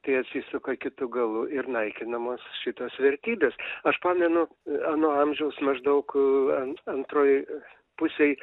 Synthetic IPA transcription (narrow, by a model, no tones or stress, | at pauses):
t̪ɐɪɐt̪ʲsʲiːsʊkɐkʲɪt̪ʊɡɐlˠʊɪɾnɐɪkʲɪnɐmoːsʃʲɪt̪oːsʋʲɛɾʲt̪ʲiːbʲeːsɐʃpɑːmʲɛnʊ | ɑːnoːɐmʲʒʲɛʊsmɐʒd̪ɐʊkɐɐnt̪ɾoːj | pʊsʲej